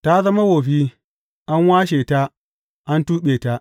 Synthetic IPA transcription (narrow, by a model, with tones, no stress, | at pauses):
ta˦zɐ˦ma˦wo˨ɸi˦ | ʔa˦nwaː˦ʃeː˨ta˦ | ʔa˦ntuː˦ɓeː˨ta˦